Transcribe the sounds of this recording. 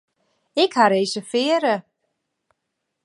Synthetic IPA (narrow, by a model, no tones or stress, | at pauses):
ɛkhaɾejsɪfɛːɾɪ